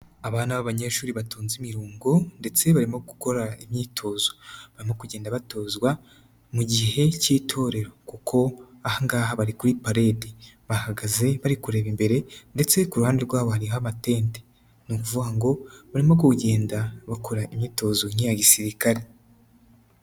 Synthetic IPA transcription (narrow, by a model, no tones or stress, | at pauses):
aβaːnaβaβaɲe̞ʃuːɾiβatuːnzimiɾuːŋɡonde̞t͡se̞βaɾimo̞ɡu̥ko̞ɾaimɲiːtʰo̞ːzoβaɾimo̞kuɟe̞ːndaβato̞ːzɡwa | muɟiɦe̞ciːtʰo̞ɾeɾo̞kukʰo̞ahaŋɡaːɦaβaɾikuɾipaɾe̞de | βahaɡaze̞βaɾikuɾe̞ːβimbe̞ɾe̞nde̞t͡se̞kuɾuhaːndeɾɡwaːβohaɾiɦamate̞ːnte̥ | nukuvuɡaŋɡo̞βaɾimo̞ɡoɟe̞ːndaβako̞ɾaimɲiːto̞zoŋ̥ijaɟisiɾikaɾe